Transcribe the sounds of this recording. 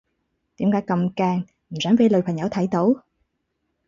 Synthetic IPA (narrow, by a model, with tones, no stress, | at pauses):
t̪ḭ˨˥˦mkaː˧˥kə˨˩mkaː˨˩ŋ | m˨˩zaː˨˦ŋve˨˧˦ləː˨˩waː˨˩ɲaː˨˧˥wt̪ʰa˧˩jt̪o˨˦w